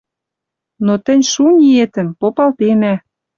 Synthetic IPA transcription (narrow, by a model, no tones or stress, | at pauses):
not̪ə̆nʲʃunʲiet̪ə̆npopɑlt̪enæ